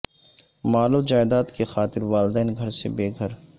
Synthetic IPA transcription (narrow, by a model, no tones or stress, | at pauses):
maːlod͡ʒaːɪd̪aːt̪kexaːt̪ɪɾʋaːld̪ɛːnɡʱɐɾsebeːɡʱəɾ